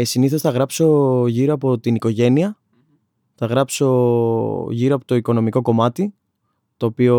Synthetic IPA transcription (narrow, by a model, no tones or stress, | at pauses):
siniθo̞sθɐɣɾɐpso̞ʝiɾoɐpot̪iniko̞ʝe̞niɐ | θɐɣɾɐpso̞ | ʝiɾoɐpo̞t̪o̞iko̞no̞miko̞ko̞mɐt̪i | t̪o̞ːpio